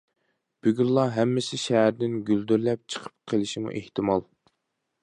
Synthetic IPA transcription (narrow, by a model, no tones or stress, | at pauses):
b̥yɡʲyllˠɑɦɛmːɪsɪʃɛɦæɾd̪ɪnɡʲyld̪yɾlɛp̚t͡ʃʰə̥qʰə̥p̚qʰəlˠɪʃimṵʔeht̪ɪmɑlˠ